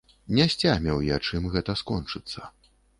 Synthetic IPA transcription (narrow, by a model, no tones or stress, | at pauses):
nʲɛsʲt͡sʲamʲɛwjat͡ʂɨmɣɛt̪ɐskɔnt͡ʂɨt̪sːɐ